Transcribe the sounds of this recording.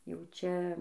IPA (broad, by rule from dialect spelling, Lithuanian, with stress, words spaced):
jɛʊ ˈt͡ʃʲɛ